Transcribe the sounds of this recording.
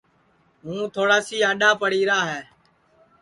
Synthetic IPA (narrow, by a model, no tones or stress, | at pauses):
ɦũːt̪ʰoːɽaːsiːaːɗaːpəɽiːɾaːɦɛː